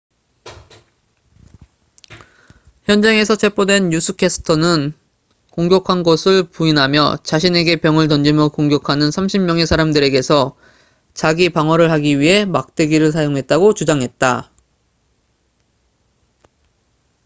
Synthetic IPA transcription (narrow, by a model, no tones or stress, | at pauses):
çjʌnd͡ʑeŋe̞sʰʌt͡ɕʰe̞pʰodwe̞njusʰɯkʰes͈ʰɯ̥tʰʌnɯn | koŋɡjʌkʰanɡʌsʰɯɭpuinɦamjʌt͡ɕaɕʰine̞ɡe̞pjʌŋɯɭt̬ʌnd͡ʑimjʌkoŋɡjʌkʰanɯnsʰamɕʰimmjʌŋesʰaɾamdɯɾe̞ɡe̞sʰʌ | t͡ɕaɡipaŋwʌɾɯɭɦaɡiɥiɦe̞mak̚t͈e̞ɡiɾɯɭsʰajoŋɦe̞t̚t͈aɡot͡ɕud͡ʑaŋɦe̞t̚t͈a